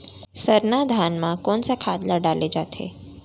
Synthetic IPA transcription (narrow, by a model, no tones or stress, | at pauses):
səɾnad̪ʱanmãkɔɳsakʰad̪laɖaled͡ʒat̪ʰḛ